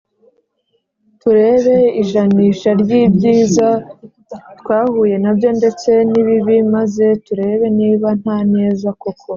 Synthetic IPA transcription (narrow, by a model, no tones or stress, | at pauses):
tuɾe̞ːβe̞iʒaniːʃaɾɟiːbɟiːza | twaːhuːje̞nabjo̞nde̞t͡se̞niβiβimaze̞tuɾe̞ːβe̞niːβan̥haːne̞ːzako̞kʰo̞